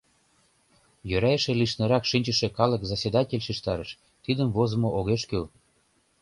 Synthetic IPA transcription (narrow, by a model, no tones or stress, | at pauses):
jøɾæjeʃĕliʃnĕɾɑkʃinʲt͡ɕə̆ʃĕkɑlə̆kzasʲed̪ɑtʲelʲʃiʃt̪ɑɾəʃ | t̪id̪əmvozə̆moʔoɣeʃkøl